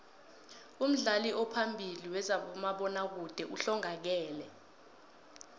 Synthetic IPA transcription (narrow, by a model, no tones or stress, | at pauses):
um̩ɮaliʔɔpʰambʱiliwɛzaɓɔmaɓɔnak̬ud̥ʱɛʔuɬɔŋak̬ɛːlɛ